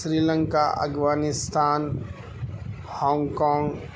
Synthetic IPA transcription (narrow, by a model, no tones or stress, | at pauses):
sɾiːlə̃ŋkaʔɐ̰ɡʋaːnɪst̪aːn | hɔ̃ːŋɡkɔ̃ːŋɡ